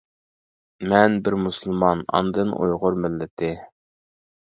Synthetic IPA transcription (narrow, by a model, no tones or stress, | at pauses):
mɛnbɪɾmusɨlˠmɑnɑ̰nd̪ɨnʔṵjʁʊɾmɪlːɪt̪ʰɪ